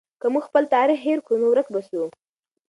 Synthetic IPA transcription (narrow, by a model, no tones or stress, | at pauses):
kəmuɡxpəlt̪aɾɪxɦeɾkunowɾək̚basu